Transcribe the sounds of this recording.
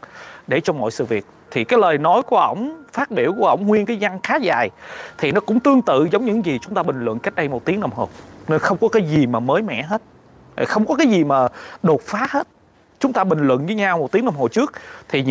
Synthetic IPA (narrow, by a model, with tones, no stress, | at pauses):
ɗe˧˩t͡ɕɔ˧ŋ͡mmɔ̰˧˨jsɨ̰˧˨vi˨˩ət̚t̪ʰi˨˩kaː˨˦jləː˨˩jnɔ˨˦jku˧˩əʔə̰˧˩wŋ͡mfaː˦˥t̚ɓi˧˩əwku˧˩əʔə̰˧˩wŋ͡mŋwi˧ənkaː˨˦jza˧ŋxaː˨˦zaː˨˩jt̪ʰi˨˩nɔ˨˦kʊ̰˧˥ŋ͡mt̪ɨ˧əŋt̪ɨ̰˧˨zə˨˦wŋ͡mɲɨ̰˧˥ŋzi˨˩t͡ɕʊ˨˦ŋ͡mt̪aː˧ɓï˨˩ŋ̟lwə̰˧˨nka˦˥jk̟̚ɗə˧jmo˨˩t̚t̪i˨˦əŋna˧mɦo˨˩ne˧nxə˧wŋ͡mkɔ˨˦kaː˨˦jzi˨˩maː˨˩məː˨˦jmɛ̰˧˨ɦe˦˥t̚ | a̰˨˩xə˧wŋ͡mkɔ˨˦˥kaː˨˦jzi˨˩maː˨˩ɗo˨˩t̚faː˨˦he˦˥t̚ | t͡ɕʊ˨˦ŋ͡mt̪aː˧ɓï˨˩ŋ̟lwə̰˧˨nvɨː˨˦ɲaː˧wmo˨˩t̚t̪i˨˦əna˧mɦo˨˩t͡ɕɨ˦˥ək̚t̪ʰi˨˩ɲ